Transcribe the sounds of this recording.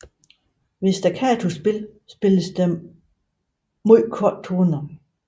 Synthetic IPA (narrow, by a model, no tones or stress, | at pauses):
ʋesd̥ækʰæt͡sʰusb̥e̝l | sb̥e̝ləsd̥e | muðˠkʰɔd̥̚t͡sʰoːnɐ